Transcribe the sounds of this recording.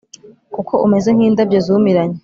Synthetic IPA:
kukʰo̞ʔume̞ze̞ŋ̥hiːndabɟozumiɾaɲe

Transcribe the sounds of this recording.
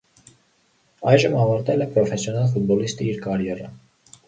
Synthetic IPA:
ɑjʒəmɑvɑɾt̪ɛlɛpɾɔfɛsjɔnɑlfut̪̚bɔlist̪iiɾkɑɾjɛɾə̰

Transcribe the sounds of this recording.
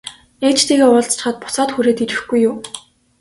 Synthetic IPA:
eːt͡ɕt̪iːɣeːʊːɮt͡st͡ɕ̆χə̆t̪̚pʊ̥sɔːt̪xuɾeːt̪iɾɪ̆xɡujːʊː

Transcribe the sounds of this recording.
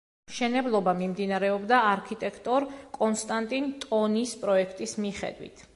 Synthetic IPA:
mʃɛnɛblˠɔbamimd̪inaɾɛɔbd̪aːɾkʰit̪ʼɛkʰt̪ʼɔɾkʼɔnst̪ʼant̪ʼint̪ʼɔnispʼɾɔɛkʰt̪ʼismiχɛ̰d̪wḭt̪ʰ

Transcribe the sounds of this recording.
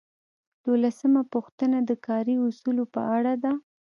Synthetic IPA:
d̪̥olasəmapuxt̪ənad̪əkʰɑɾiusulopə̰aɽad̪a

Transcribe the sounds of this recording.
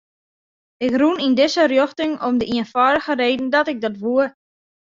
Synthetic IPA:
ɪkrunindɪsərjoxtɪŋɔmdəiənfɔːdəxəreːdn̩dɔtɪk̚dɔtʋuə

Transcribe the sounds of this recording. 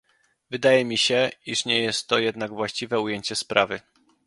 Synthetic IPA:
vɘd̪ajɛmʲiɕɛiʂɲɛjɛst̪ːɔjɛd̪naɡvwaɕt͡ɕivɛujeɲt͡ɕɛspɾʔavɘ

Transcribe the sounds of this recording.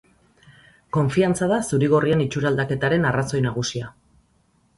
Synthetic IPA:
ko̞ɱfiant͡sað̞asuɾiɣo̞rienit͡ʃuɾald̪ake̞t̪aɾe̞naraso̞jnaɣ̞usia

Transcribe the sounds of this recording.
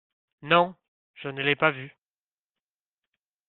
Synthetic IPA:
nɔ̃ | ʒ̥ənəlɛpavy

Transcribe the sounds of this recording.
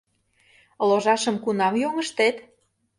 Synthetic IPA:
loʒɑʃə̆mkunɑmjoŋəʃt̪et̪

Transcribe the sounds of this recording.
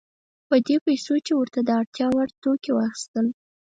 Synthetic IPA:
pəd̪epajsot͡ʃewəɾt̪ad̪əaɽt̪jɑwaɽt̪okewɑxi̥st̪əl

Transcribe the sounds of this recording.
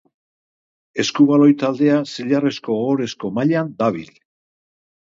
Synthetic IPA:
e̞skuβalo̞jt̪ald̪e̞asiʎare̞sko̞ɣo̞ɾe̞sko̞maʎand̪aβ̞ḭl

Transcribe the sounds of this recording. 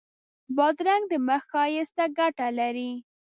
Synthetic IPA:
bɑd̪ɾaŋɡ̚d̪əməxɑjest̪aɡaʈalaɾi

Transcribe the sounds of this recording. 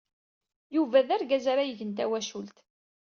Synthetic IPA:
juvæðæɾɡæzaɾajəʝənt̪æwæʃult̪

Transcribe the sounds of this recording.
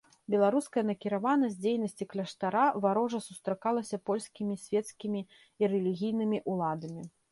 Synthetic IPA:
bʲɛlˠaɾuskɐjɐnɐkʲiɾavanɐsʲd͡zʲejnɐsʲt͡sʲiklʲɐʂt̪aɾavaɾɔʐɐsust̪ɾakalˠɐsʲɐpɔlʲskʲimʲisʲvʲɛt̪skʲimʲi | iɾɛlʲiɣʲijnɨmʲiʔulˠad̪ɐmʲi

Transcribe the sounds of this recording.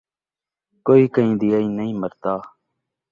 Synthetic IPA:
koːiːkəĩːd̪ijaːĩːnəĩːməɾt̪aː

